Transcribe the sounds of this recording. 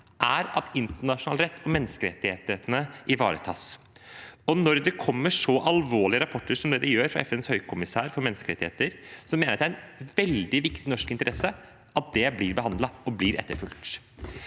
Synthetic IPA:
ʔæɾɑt̪ɪnt̪əɳɑʂʊnɑ̰ːlɾɛt̪ːɔmɛnːəskəɾɛt̪ːɪhḛt̪ɪheːt̪ənəʔɪʋɑ̰ːɾə̰t̪ʰɑ̰ːs | ɔnɔɾd̪ɛkʰɔmːəʂɔʔɑlʋoːɭɪəɾɑpʰɔʈːəʂɔmd̪eːɾəjøːɾfɾɑ̰ɛfɛnshœʏkʰʊmɪsæːɾfɔɾmɛnːəskəɾɛt̪ːɪheːt̪əɾsɔmeːnəɾɑd̪æɾɛnʋɛld̪ɪʋɪkt̪ɪnɔʂkɪnt̪əɾɛsːə | ʔɑt̪̚d̪ɛblɪɾbəɦɑnd̪lɑɔblɪɾʔɛ̰t̪ːəɾfʉlt̪

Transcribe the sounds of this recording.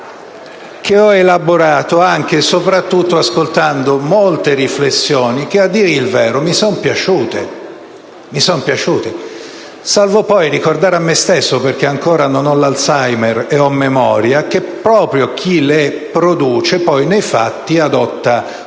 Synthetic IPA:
k̟eɔelaboɾaːt̪oaŋk̟esopɾat̪ːut̪ːoaskolt̪and̪omolt̪eɾiflesːjoːnik̟ead̪ːiːɾeilvɛːɾomisɔnpjat͡ʃuːt̪e | misɔmpjat͡ʃuːt̪e | salvopɔjrikord̪aːɾamːest̪esːoperk̟eaŋkoːɾanonɔlalsajmereɔmːemɔːɾjak̟epːɾɔːpɾjok̟ʰile | pɾod̪uːt͡ʃepɔjnejfat̪ːiad̪ɔt̪ːa

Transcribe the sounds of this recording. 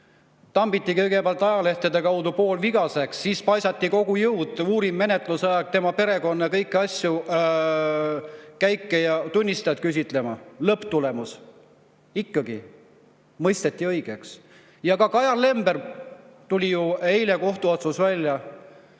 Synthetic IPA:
t̪ɑmbit̪ːˑikɤjɡe̞peɑlt̪ːˑɑjɑle̞ht̪ed̪̥e̞kɑwd̪upo̞ːlviɡ̥ɑse̞ksːiːspɑjsɑt̪ʲːiko̞ɡ̥ujɤwd̪uːɾimːe̞net̪ˑlusɑjɑɡ̥̚t̪e̞mɑpe̞ɾe̞ko̞nːekɤjkːˑɑsʲju | kæjkːejɑt̪unʲːist̪ɑjɑt̪kys̬ʲit̪ˑle̞mɑlɤpːt̪ule̞mus | ikːɑɡ̥ḭ | mɤjst̪e̞t̪ːˑiɤ̞jɡ̥e̞ks | jɑkɑkɑjɑrlːe̞mb̥e̞rt̪ulʲijue̞jle̞ko̞ht̪uo̞t̪susvælʲːjɑ

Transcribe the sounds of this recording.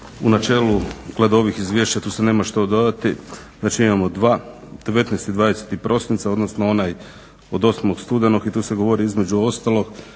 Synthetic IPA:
unat͡ʃe̞ːluɡ̥led̪o̞ʋixizʋʲje̞ːʃt͡ɕat̪uːsene̞ːmaʃt̪o̞d̪o̞d̪at̪iznaːt͡ʃiimamo̞d̪ʋaː | d̪̥e̞ʋe̞t̪nɛjst̪id̪ʋaːd̪ese̥t̪ipɾʔo̞sint̪saod̪nosnoo̞naj | od̪o̞snmokst̪ud̪e̞noɡit̪uːse̞ɡo̞ʋo̞ɾiizmed͡ʑuo̞st̪alˠo̞ɡ

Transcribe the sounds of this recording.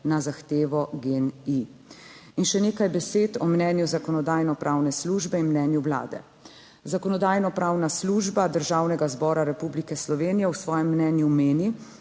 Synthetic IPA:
nazaxt̪eːʋɔɡeni | inʃɛneːkajbɛseːt̪ɔmnɛːnjuzakɔnɔd̪aːjnɔpɾʔaːwnɛsluːʒbɛinmnɛːnjuwla̰ːd̪ɛ̰ | zakɔnɔd̪aːjnɔpɾaːwnasluːʒbad̪əɾʒawnɛɡazbɔːɾaɾɛpublikɛslɔʋeːnijɛwsʋɔːjɛmːnɛːnjumeːni

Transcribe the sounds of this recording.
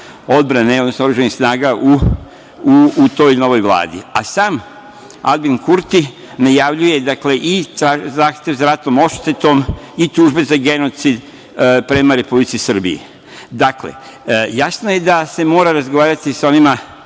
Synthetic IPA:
o̞d̪bɾane̞od̪nosnooɾuʒanixsnaːɡaʔu | uut̪o̞ːjno̞ʋo̞jʋlˠa̰ːd̪ḭasaːm | a̰d̪binkuɾt̪i | najaʋʎuje̞d̪akle̞ʔiazaːxt̪e̞ʋzaɾat̪no̞mo̞ʃt̪et̪o̞m | it̪uʒbe̞zaɡe̞no̞t̪sid̪ | pɾe̞maɾe̞publit̪sisr̩bḭḭ | d̪akle̞̰ | jasno̞je̞d̪ase̞mo̞ːɾaɾazɡoʋaːɾat̪iso̞nima

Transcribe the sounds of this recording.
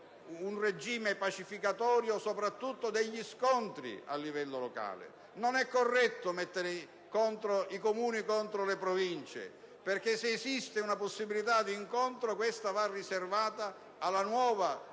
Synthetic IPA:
unred͡ʒiːmepat͡ʃifikat̪ɔːɾjosopɾat̪ːut̪ːod̪ɛʎːiskont̪ɾḭa̰lːivɛlːoloka̰ːlɪ̰ | nonɛkːorːɛt̪ːomɛt̪ːeɾɪ | kont̪ɾoikomuːnikont̪ɾolepɾovint͡ʃḛ | perk̟eːseːsist̪ɪunaposːibilit̪ad̪iːŋkont̪ɾokwest̪avarːiservaːt̪aː | lːanwɔːva

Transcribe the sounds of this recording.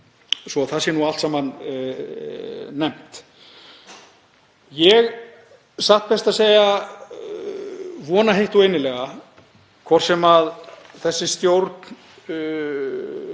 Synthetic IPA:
svɔθasɪnualt̪samhan | ɛm̥t̪ | jɛɣ | saht̪̚bɛst̪aðseːja | vɔːnaɦejht̪uejnɪlɛɣa | kʰvɔr̥sɛmað | θɛsːɪst̪jowɾt̪n

